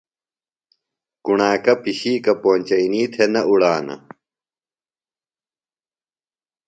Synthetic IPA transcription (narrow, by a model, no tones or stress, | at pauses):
kuɳaːkɐpiɕiːkɐpoːnʲt͡ɕɐiniːt̪ʰenɐʔuɽaːnɐ̰